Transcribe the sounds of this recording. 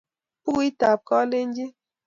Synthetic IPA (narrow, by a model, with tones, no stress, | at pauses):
pu˦i˦ta˨p̚kɔ˦le˦n̩˦d͡ʒi˦